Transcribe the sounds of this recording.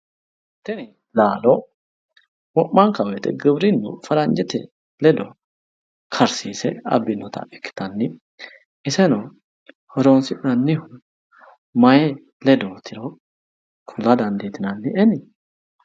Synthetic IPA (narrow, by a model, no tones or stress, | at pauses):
t̪ːɛnɪ | laːlɔ | wɔʔːɐŋkɐwɛt̪ɛ̰ɡɪbɾɪnːʊ̰fɐɾɐnd͡ʒɛt̪ɛ̰ | lɛd̪ɔ | kʰɐɾsiːsɛɐ̰bːɪnːɔt̪ɐ̰ɛkːɪ̥t̪ɐnːɪ | ɪsɛnɔ | hɔɾoːnsɪʔɪnɐnːɪhʊ | mɐjɛ | lɛd̪ot̪ʰɪɾɔ | kʰʊlɐd̪ɐnd̪eːt̪ɪnɐnːɪɛnɪ